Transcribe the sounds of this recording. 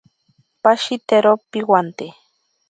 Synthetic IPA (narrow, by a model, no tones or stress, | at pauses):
paʃit̪eɾopiwant̪e